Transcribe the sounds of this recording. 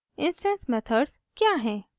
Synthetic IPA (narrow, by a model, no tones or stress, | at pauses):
ɪ̃nsʈɛ̃nsmɛːt̪ʰəɖs | kjaːɦɛ̃ː